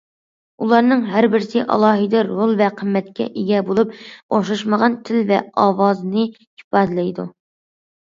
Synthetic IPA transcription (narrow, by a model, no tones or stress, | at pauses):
ulˠɑɾnɨŋɦæɾbɪɾsɪʔɑ̰lˠɑːɦɨd̪ɨɾolˠvɛqʰəmːɛt̪kʲɛ̰ʔeɡʲɛbolˠup̚oʃɑʃməʁɑnt̪ʰɪlvɛ̰ɑːwɑːzɨnɨ | ipɑːd̪ɨlɛjd̪u